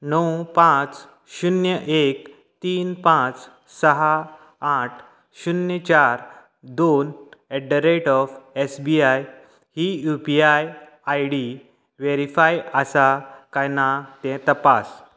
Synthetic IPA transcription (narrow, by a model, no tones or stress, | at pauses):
nəwpãt͡s | ɕunjəʔek | t̪iːnpãt͡s | səɦa | aʈʰ | ɕunjət͡ɕaɾ | d̪oneɖəɾeʈɔfesbiaj | hijupiaj | ajɽi | ʋeɾifajasakajnat̪ɛ̃t̪əpas